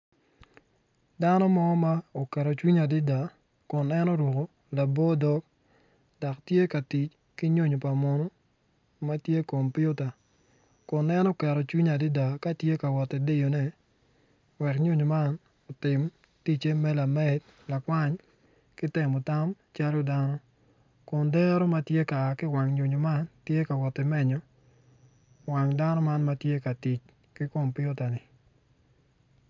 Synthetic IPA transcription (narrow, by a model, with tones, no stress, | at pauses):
da˦nɔ˦mɔ˦ma˦o˨kɛ˨ɾɔ˨t͡ʃwi˦ɲa˨dɪ˦da˨ | kʊ˨nɛ˦no˦ɾwo˨ko˨ | la˨bɔ˦dɔ˦k̚ | da˨ktje˦ka˨ti˨t͡ʃ | ki˦ɲo˦ɲo˨pa˨mo˨no˦ | ma˦tje˦ko˨mpijʊ˦ta˨ | kʊ˨nɛ˦nɔ˦kɛ˨ɾɔ˨t͡ʃwi˦ɲa˨dɪ˦da˨ka˦tje˦ka˨wɔ˨tɛ˨de˦jo˨nɛ˦ | wɛ˨kɲu˦ɲo˨ma˦n | ɔ˨tɪ˨m | ti˦t͡ʃe˦mɛ˦la˨mɛ˦t̚ | la˨kwa˦ɲ | kɪ˦tɛ˨mɔ˨ta˦m | t͡ʃa˦lo˦da˦nɔ˦ | kʊ˨ndɛ˦ɾɔ˦ma˦tje˦ka˨kɪ˦wa˨ŋɲu˨ɲo˨ma˦ntje˦ka˨wɔ˨tːɛ˨mɛ˦ɲɔ˦ | wa˨ŋda˦nɔ˦ma˦nma˦tje˦ka˨ti˨t͡ʃ | kɪ˦ko˨mpɪ˦ʊ˦ta˨nɪ˨